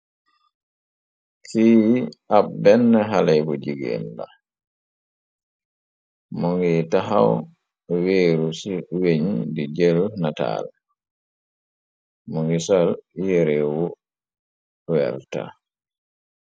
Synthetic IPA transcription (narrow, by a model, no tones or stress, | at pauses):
kiabɛnːɛɦalɛjbɔd͡ʒiɡɛ̰lːa | mɔŋɡɛtaɦaw | weɾusiweɲdid͡ʒelnata̰l | mɔŋɡisaljɛɾɛwɔ | wɛ̰lta̰